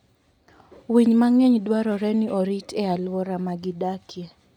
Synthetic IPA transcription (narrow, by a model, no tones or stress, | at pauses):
wiɲmaŋɛɲdwaɾɔɾɛnɪʔɔɾitʰɛalwɔɾamaɡɪdakjɛ